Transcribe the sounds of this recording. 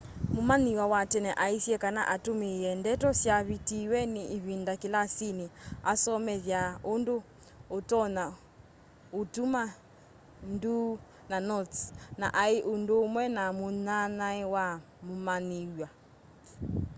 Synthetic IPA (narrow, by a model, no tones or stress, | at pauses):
mumaniwawatɛnɛʔaisjɛkana̰ʔatumijɛndɛtɔsjaβitiwɛniʔiβindakilasiniasɔmɛðjaondo | otɔna | utuma | ndu | nanɔtsna̰ʔaiʔundoːmwɛnamunanaɛwa | mumaniwa